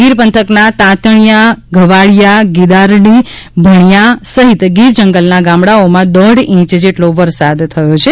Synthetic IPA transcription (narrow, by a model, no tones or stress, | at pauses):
ɡiɾpənt̪ʰəknat̪ãt̪əɳ̃ijaɡʱəʋaɭjaɡid̪aɾɽi | bʱəɳjasəɦit̪ɡiɾd͡ʒəŋɡəlnaɡãmɽaomãd̪əɖĩt͡ʃd͡ʒeʈloʋəɾsad̪t̪ʰːəjot͡ʃʰe